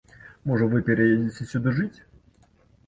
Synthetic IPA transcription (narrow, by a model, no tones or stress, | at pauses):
mɔʐəvɨpʲɛɾʲɐjedʲɪt͡sʲɪsʲud̪ɨʐɨtʲ